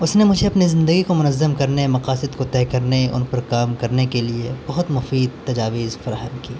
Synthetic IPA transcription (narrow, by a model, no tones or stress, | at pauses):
ʊsnemʊd͡ʒʱeɐpnizɪ̃nd̪əɡikomʊnɐzːəmkɐɾnemɐqaːsɪd̪kot̪ɛːkɐɾneʊ̰npɐɾkaːmkɐɾnekeliebɐɦʊt̪mʊfiːd̪̚t̪ːɐd͡ʒaːʋɪzfɐɾaːɦəmkiː